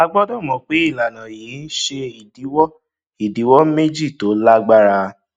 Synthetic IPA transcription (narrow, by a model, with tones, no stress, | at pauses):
a˧ɡ͡bɔ˦dɔ̃˦˨mɔ̃˧k͡pe˨˦i˦˨la˨nã˨ji˨˦n̩˦ʃe˧i˨di˨˦wɔ˦ | i˨di˨˦wɔ˦me˦d͡ʒi˦˨to˨˦la˦ɡ͡ba˦ɾa˧